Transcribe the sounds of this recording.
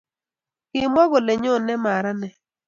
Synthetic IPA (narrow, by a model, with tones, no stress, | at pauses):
kɪ˨m˦ɔ˦ɡo˨le˨ɲɔ˦˨nɛ˦ma˨ɾa˦nɛ˨